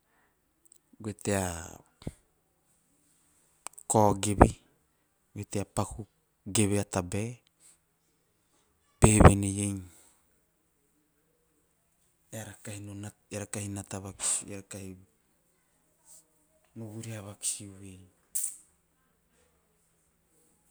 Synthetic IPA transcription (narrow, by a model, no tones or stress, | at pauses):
ɡwet̪ea | koɡeβe | ɡeteapaku | ɡeβeat̪abe | peβenejejŋ | eaɾakahinonaeɾakahinat̪aβaki̥sieɾakahi | nuβuɾiaβaki̥siuwej